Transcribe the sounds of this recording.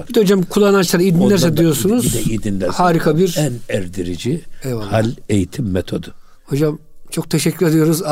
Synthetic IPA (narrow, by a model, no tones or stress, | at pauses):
bid̪ɛhod͡ʒamkʰulˠːanat͡ʃlˠaɾid̪inlːæɾssɛd̪ijo̞ɾsunuzɛid̪inlɛhaːɾikʰabiɾɛnɛɾd̪iɾid͡ʒievahalʲejit̪ʰimːet̪ʰod̪ɯ̥ | ho̞d͡ʒamt͡ʃʰo̞k̚t̪ʰeʃɛcʰːyɾed̪ijo̞ɾuz